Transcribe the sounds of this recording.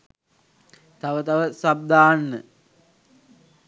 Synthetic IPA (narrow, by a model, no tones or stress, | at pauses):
t̪aʋət̪aʋəsab̚d̪aːnːə̰